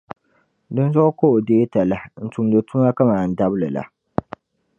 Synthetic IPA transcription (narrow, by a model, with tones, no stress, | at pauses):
dɨ˦n˦zɔ˦ʔko˦ʔdeː˦ta˨la˨n̩˨tu˨m˦dɨ˨tu˦ma˦ka˦maː˨n̩˨da˦blɨ˨la̰˨